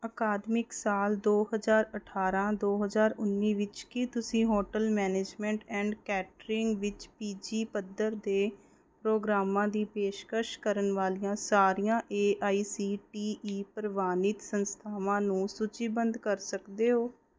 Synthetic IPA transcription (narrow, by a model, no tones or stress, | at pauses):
əkaːd̪mɪksaːld̪oːɦəzaːɾəʈʰaːɾãːd̪oːɦəzaːɾʊnːiːʋɪt͡ʃkɪt̪ʊsĩːɦoːʈəlmɛːneːd͡ʒmɛ̃ːɳʈɛ̃ːɳɖkɛːʈɾɪŋɡʋɪt͡ʃpiːd͡ʒiːpəd̪əɾd̪eː | pɾoːɡɾaːmãːd̪iːpeːʃkəɾʃkəɾənʋaːlijãːsaːɾijãːʔeːʔaːiːsiːʈiːʔiːpəɾʋaːnɪt̪sənst̪ʰaːʋãːnũːsʊt͡ʃiːbənd̪kəɾsəkd̪eːɦoː